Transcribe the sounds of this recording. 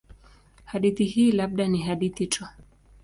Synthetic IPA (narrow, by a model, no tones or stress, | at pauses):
haɗiθihiːlaɓ̚ɗaniɦaɗiθit͡ʃɔ